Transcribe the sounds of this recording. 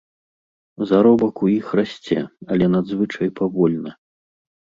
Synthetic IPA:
zaɾɔbɐkujixrasʲt͡sʲɛɐlʲɛnad̪zvɨt͡ʂɐjpavɔlʲnɐ

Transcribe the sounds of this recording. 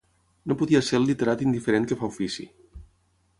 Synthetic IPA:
nopuðiaseɾlit̪eɾat̪ind̪ifeɾeŋkəfaufisḭ

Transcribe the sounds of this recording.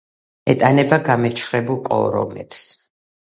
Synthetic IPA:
ɛt̪ʼanɛbaɡamɛt͡ʃʰχɾɛbulˠkʼɔ̰ɾɔ̰mɛ̰ps

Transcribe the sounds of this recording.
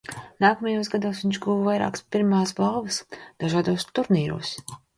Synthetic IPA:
naːkɐmɛjuːsɡad̪uːsviɲʃɡuːvvajɾa̰ːkspiɾmaːsbalˠvɐsd̪̥aʒaːd̪uːst̪uɾniːɾṵːs

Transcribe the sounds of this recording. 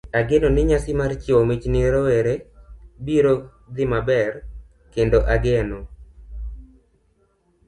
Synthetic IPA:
aɡenonɪɲasɪmart͡ʃɪɔmɪt͡ʃnɪɾɔweɾebiɾo | d̪ɪmabɛr | kendoʔaɡeno

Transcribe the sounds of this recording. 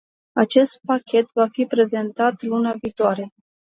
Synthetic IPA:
at͡ʃe̞st̪̚pakʲe̞t̪vafipɾe̞ze̞nt̪at̪lunaviːt̪oaɾe̞

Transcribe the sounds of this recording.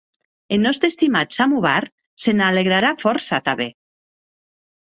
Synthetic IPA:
enɔst̪ɾest̪imat̪samuβaɾ | senaleɣɾaɾafɔɾsat̪aβe

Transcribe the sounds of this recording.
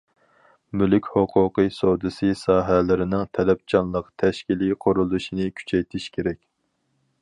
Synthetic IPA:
mylykʲhoqʰʊqɨsod̪ɨsɨsɑːɦælɪɾɪnɪŋt̪ʰɛlɛp̚t͡ʃʰɑnlˠəqt̪ʰɛʃkʲiliqʰoɾulˠuʃinɨkʲʰy̥t͡ʃʰɛjt̪ʰiʃkʲʰeɾɛkʲ

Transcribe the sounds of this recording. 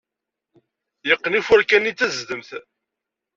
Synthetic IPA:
jəqːənifʊɾkænːit͡sːæzd̪əmθ

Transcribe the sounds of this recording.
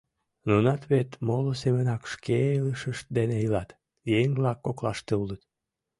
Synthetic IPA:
nunɑt̪βet̪molosemənɑkʃkʰeələʃəʃt̪̚d̪eneilɑt̪ | jeŋβlɑkːoklɑ̰ʃt̪eulət̪

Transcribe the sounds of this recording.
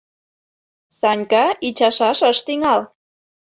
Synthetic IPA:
sɑnʲkɑit͡ɕɑʃɑʃəʃt̪iŋɑl

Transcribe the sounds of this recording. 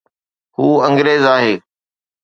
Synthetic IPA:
huːə̃ŋɡɾeːzaːɦeː

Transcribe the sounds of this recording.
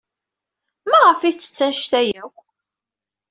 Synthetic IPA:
mæʁəfiθt͡sːə̥t͡sːænʃt̪æjækʷ

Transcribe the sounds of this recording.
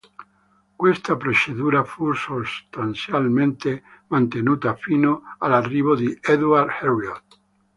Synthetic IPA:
kwest̪apɾet͡ʃeðuɾafusust̪anθjalmẽnt̪emãnt̪enut̪afinoalariβoðeeðwaɾðherjot̪

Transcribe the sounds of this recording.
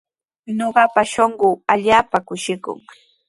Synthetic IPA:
ɲoɢɑpaʃoɴɢʊːaʎaːpakʊʃɪkʊ̰ŋ

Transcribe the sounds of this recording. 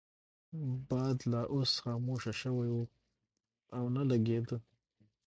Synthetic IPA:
bɑd̪laʔosxɑːmoʃaʃəwajwu | awnalaɡed̪ə

